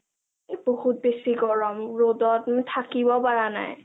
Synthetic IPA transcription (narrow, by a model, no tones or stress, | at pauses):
bohut̚besikɔɹɔmɹodɔtmtʰakibɔpaɹana̰j